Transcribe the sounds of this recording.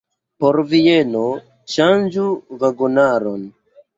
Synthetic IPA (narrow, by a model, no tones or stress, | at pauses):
poɾvieno | ʃand͡ʒuvaɡunaɾon